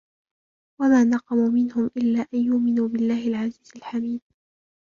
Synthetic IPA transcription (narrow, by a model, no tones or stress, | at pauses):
wamaːnɑqɑmumɪnhʊmʔɪlːaːʔanjʊʔmɪnuːbɪlːaːhɪlʕaziːzɪlħamiːd̪̚